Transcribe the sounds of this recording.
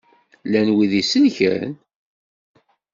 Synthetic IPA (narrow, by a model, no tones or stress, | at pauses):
lænwiðisənçə̰ɾ̰n